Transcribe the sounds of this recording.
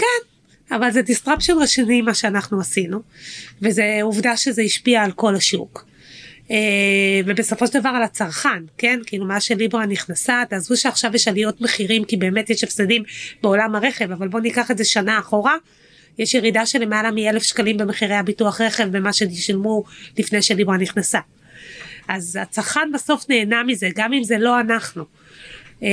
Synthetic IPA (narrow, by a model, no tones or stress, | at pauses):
ken | avalzedistʁapʃonʁeʃinimaʃeanaχnuasinuvezeuvdaʃezeiʃpiaːlko̞laʃṵk | evebe̞so̞fo̞ʃedavaʁalat͡saʁχanke̞nkiilumaʃelibʁaniχnasat̪aːzuʃeaχʃavjeʃalio̞tme̞χiʁimkibeːmetjeʃefsedimbe̞o̞lamhaʁe̞χe̞vavalbo̞nikaχe̞ze̞ʃanaːχo̞ʁa | jeʃjeʁidaʃe̞le̞malamielefʃkalimbe̞meχiʁejhabituaχʁe̞χe̞vbemaʃeiʃalmulifne̞jʃelibʁaniχnasa | ʔazat͡saʁχanbaso̞fne̞ːnamize̞ɡamimze̞loanaχnu